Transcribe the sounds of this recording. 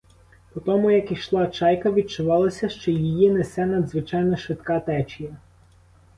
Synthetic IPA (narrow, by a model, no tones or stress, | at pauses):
pɔt̪ɔmʊjɐkiʃlˠɑt͡ʃɑjkɐʋʲid̪̚t͡ʃʊʋɑlˠɐsʲɐʃt͡ʃɔjijinɛsɛnɐd̪zʋɪt͡ʃɑjnɔʃʋɪt̪kɑt̪ɛt͡ʃijɐ